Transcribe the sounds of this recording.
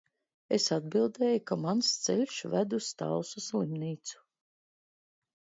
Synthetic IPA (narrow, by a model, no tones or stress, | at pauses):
esad̪̚bilˠd̪ɛːjukamanst̪seʎʲʃvæd̪ust̪a̰lsuslˠimniːt̪su̥